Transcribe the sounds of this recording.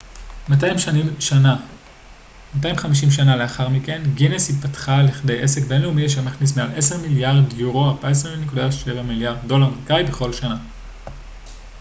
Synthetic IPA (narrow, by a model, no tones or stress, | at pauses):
matajimʃanimʃana | mataimχamiʃ̬imʃ̬anale̞aχaʁmike̞nɡineshitpatχaliχde̞jʔe̞se̞kbe̞nleumiaʃ̬emaχnis̬mealʔe̞seʁmiljaʁdjuʁoabaes̬ʁeminikudaʃe̞vamiljaʁdːo̞laʁmkajbeχo̞lʃana